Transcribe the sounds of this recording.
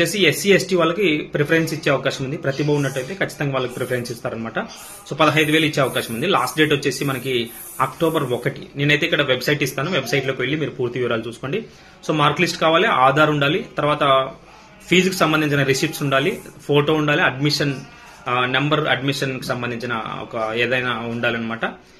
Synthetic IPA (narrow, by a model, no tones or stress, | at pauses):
t͡ʃe̞ːsiesiesʈiːʋaːɭːɐkipɾepʰɐɾensit͡ʃːeːɐʋɐkaːʃɐmund̪ipɾɐt̪ibʱɐʋunːɐʈːɐjt̪eːkɐt͡ʃːit̪ɐŋɡaːʋaːɭːlɐki̥pɾepʰɐɾensist̪aːɾɐnɐmaːʈɐ | so̞ːpɐd̪ɐɦɐjd̪uʋeːlɐit͡ʃːeɐʋɐkaːʃɐmund̪ilaːsʈ̚ɖe̞ːʈot͡ʃːe̞ːsimɐnɐki | aːkʈoːbɐɾɔkɐʈineːnɐjt̪e̞ːikːɐɽɐʋebsɐjʈist̪aːnuʋebsɐjʈlokiʋe̞ɭːimiːɾupuːɾt̪iʋiːɾaːlut͡ʃuːsu̥koːɳɖi | so̞ːmaːɾklisʈkaːʋaːliaːd̪ʱaːɾuɳɖaːlit̪ɐɾuʋaːt̪ɐ | pʰiːd͡ʒkusɐmbɐnd̪iɲt͡ʃinɐɾisiːʈsuɳɖaːlipʰoːʈo̞ːuɳɖaːliɐɖmiʂɐn | nɐmbɐɾɐ̰ɖmiʂɐnki̥sɐmbɐnd̪iɲt͡ʃinɐ̰ɔ̰kɐeːd̪ɐjnaːuɳɖaːliɐnːɐmaːʈɐ